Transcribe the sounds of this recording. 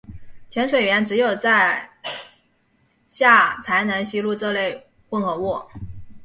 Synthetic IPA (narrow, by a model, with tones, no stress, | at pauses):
t͡ɕʰɥɛ˧˥nʂwe˨˩ɪɥɛ˧˥nʈ͡ʂɻ̩˧˥jo˨˩ʊt͡sa˥˧ɪ | ɕja˥˩t͡sʰa˧˥ɪnə˧˥nɕi˥lu˥˧ʈ͡ʂɤ˥˧le˥˧ɪ | wə˥˩ŋxɤ˧˥wɔ˥˩